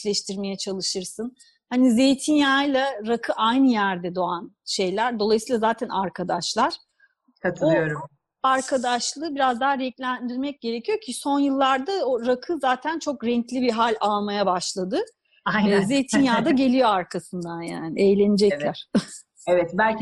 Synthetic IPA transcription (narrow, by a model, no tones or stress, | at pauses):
lʲɛʃt̪ʰiɾme̞jɛt͡ʃʰalˠɯʃɯɾsɯn | hanizejt̪ʰinjaːjlˠaɾakʰɯʔajnɯjæɾd̪ɛd̪o̞anʃe̞jlʲæɾd̪o̞lˠajsiːlˠazaːt̪ʰænaɾkʰad̪aʃlˠaɾ̥ | kʰat̪ʰɯlˠɯjo̞ɾum | aɾkʰad̪aʃlˠɯːbiɾazd̪aaɾɛclʲænd̪iɾmɛc̚ɟ̥e̞ɾecʰijo̞cʰiso̞njɯlˠːaɾd̪aoɾakʰɯzaːt̪ʰænt͡ʃʰo̞kɾɛɲclʲibiɦalʲalˠmajabaʃlˠad̪ɯ | ze̞jt̪ʰinjaːd̪aɟe̞lʲijo̞aɾkʰasɯnd̪anjaːniejlʲe̞nid͡ʒɛclʲæɾ̥ | ɛvɛt̪bælʲ